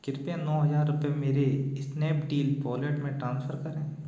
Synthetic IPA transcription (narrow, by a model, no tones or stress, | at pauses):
kɪɾpãnɔːɦɐzaːɾːʊpemeːɾeɪsneːpɖiːlpɔːleːʈmẽʈɾãːnsfʰəɾkɐɾẽː